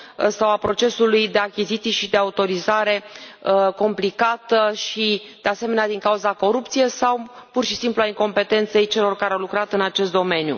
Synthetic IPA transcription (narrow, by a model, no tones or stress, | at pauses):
sawapɾo̞t͡ʃe̞sulujd̪e̞akʲizit̪sijʃid̪e̞aut̪o̞ɾizaɾe̞ | ko̞mplikat̪əʃid̪̥e̞ase̞me̞nead̪iŋkauzako̞ɾup̚t̪sije̞sawpurʃisimpluaiŋko̞mpe̞t̪e̞nt̪se̞jt͡ʃe̞lo̞rkaɾeawlukɾat̪ɨnat͡ʃe̞st̪d̪o̞me̞njṵ